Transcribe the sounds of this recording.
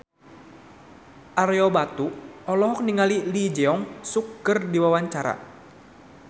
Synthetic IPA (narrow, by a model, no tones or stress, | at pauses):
ʔaɾeɔbat̪uɔlɔɦɔk̚niŋalilid͡ʒɛɔŋsukːərdiwawaɲt͡ʃaɾa̰